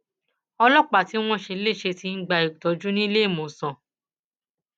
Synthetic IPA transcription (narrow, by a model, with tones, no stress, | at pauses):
ɔ˧lɔ˦k͡pa˨ti˨˦w̃ɔ̃˦ʃe˧le˦˨ʃe˧ti˧˦n̩˦ɡ͡ba˧i˨tɔ˨˦d͡ʒu˦nĩ˦le˦i˦˨mõ˨sã˨